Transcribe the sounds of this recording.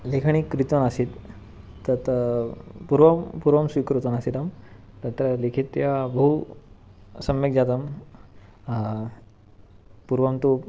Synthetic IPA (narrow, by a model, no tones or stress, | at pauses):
lekʰəɳ̃ikːɾit̪onasit̪ː | ət̪ | puɾʋəpuɾʋəmsʋikɾut̪onasit̪am | t̪ɐt̪ɾəlikʰit̪ːjabəɦu | sɐmʋekd͡ʑat̪əm | puɾʋəmt̪u